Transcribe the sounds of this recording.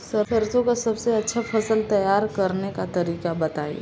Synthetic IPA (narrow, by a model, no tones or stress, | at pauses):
sɐɾsɐɾsõkasɐbseɐtːʃʰafɐsəlt̪ɐjaːɾkɐɾnekat̪ɐɾiːkabɐt̪aːjḛː